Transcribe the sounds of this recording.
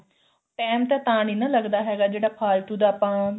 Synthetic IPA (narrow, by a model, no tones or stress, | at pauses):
ʈɛːmt̪ɛ̃ːt̪aːɽ̃iːnãːləɡd̪aːɦɛːɡaːd͡ʒeːɽaːpʰaːlt̪ud̪aːpãː